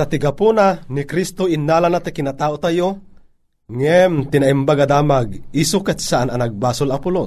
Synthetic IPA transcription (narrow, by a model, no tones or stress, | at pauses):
sɐt̪ɪɡapunanikɾist̪oʔinːaːlanat̪ikɪnat̪aːʔot̪ajo | ŋɛmt̪ɪnaimbaɡad̪aːmaɡisukɛt̪saʔananaɡ̚baːsolapʊlo